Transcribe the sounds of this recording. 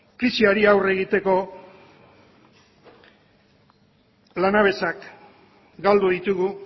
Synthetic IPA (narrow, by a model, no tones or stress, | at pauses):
kɾisiaɾiawre̞ɣit̪e̞ko̞ | lanaβ̞e̞sak | ɡald̪uðit̪uɣu